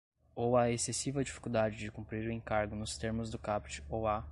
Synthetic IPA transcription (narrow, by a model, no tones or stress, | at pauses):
owɐesesivɐd͡ʒifi̥kuwd̪ad͡ʒɪd͡ʒɪkũmpɾiɾʊẽŋkaɾɡʊnʊst̪eɾmʊzd̪ʊkapt͡ʃɪ̥owa